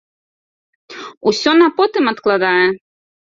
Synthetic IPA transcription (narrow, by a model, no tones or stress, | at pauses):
usʲɔnapɔt̪ɨmɐt̪klˠad̪ajɛ